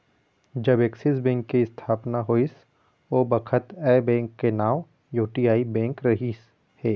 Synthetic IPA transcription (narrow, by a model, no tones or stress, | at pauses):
d͡ʒɐbeksɪs̬bɛ̃ːŋkːiɪst̪ʰaːpnaɦoːis | oːbɐkʰət̪ɛːbɛ̃ːŋkːenaːm | juːʈiaːibɛ̃ːŋkɾɐɦis | hɛː